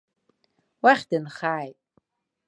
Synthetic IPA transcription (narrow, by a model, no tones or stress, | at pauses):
waχʲdɨnχaːjtʼ